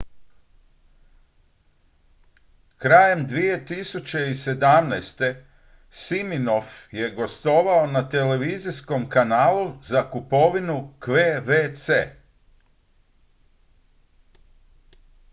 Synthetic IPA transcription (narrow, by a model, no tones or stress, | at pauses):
kɾaːje̞md̪ʋije̞t̪isut͡ɕe̞ise̞d̪amnɛjst̪e̞ | simino̞fje̞ɡo̞st̪o̞ʋaonat̪e̞le̞ʋiːzisko̞mkanaːluzakupo̞ʋinukʋeʋet̪sḛː